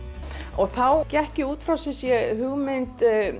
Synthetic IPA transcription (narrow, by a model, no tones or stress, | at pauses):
ɔɣθawcɛhcɪuːt̪fɾawsɪsjɛɦʏɣmɪnt̪